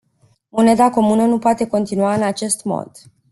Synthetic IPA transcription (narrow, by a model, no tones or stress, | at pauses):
mone̞d̪ako̞munənupoat̪e̞ko̞nt̪inuaɨnat͡ʃe̞st̪mo̰d̪̥